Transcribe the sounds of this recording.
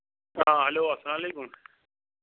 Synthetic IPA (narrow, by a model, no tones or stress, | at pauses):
ãːɦɐloːɐslaːmɐleːkʊm